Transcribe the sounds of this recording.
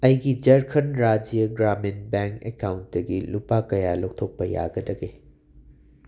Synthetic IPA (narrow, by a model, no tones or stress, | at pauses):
ɐjɡid͡ʒɐɾkʰɐnɾad͡ʒiɐɡɾamenbeŋkekawntdɐɡilupakɐjalok̚tʰok̚pɐja̰ɡɐdɐɡe